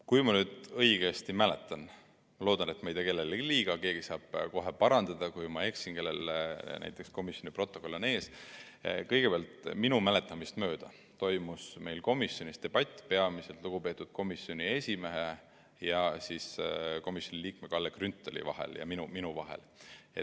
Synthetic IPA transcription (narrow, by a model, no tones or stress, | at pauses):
kujmɑnyːd̪ɤ̞jɡ̥est̪imæle̞̰t̪ːˑɑn | mɑlo̞ːd̪ɑne̞t̪mejd̪eke̞lːelliːɡ̥ɑke̞ːɡ̥isɑːb̥̚ko̞ɦe̞pɑɾɑnd̪̥ɑd̪̥ɑkujmɑe̞ksinke̞lːelnæ̰jt̪ːˑe̞ksko̞misjo̞nipro̞t̪ːˑo̞kolːne̞ːs | kɤjɡ̥e̞peɑlt̪minumæle̞t̪ːˑɑmist̪mø̞ːd̪̥ɑ | t̪o̞jmusme̞jlko̞misjo̞nʲist̪e̞b̥ɑt̪ʲːˑpeɑmise̞lt̪ˑluɡ̥upe̞ːt̪ːˑud̪̥ko̞misjo̞nʲie̞sʲime̞ɦe | jɑsisko̞misjo̞nʲiliːk̚me̞kɑlːekrynt̪ːˑolḭvɑ̰ɦḛljɑ̰minuminuvɑɦḛl | et̪